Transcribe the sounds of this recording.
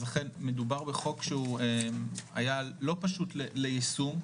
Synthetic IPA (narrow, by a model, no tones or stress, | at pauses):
zlaχenme̞dubaʁbeχo̞kʃeuema̰jalo̞paʃutlelejisum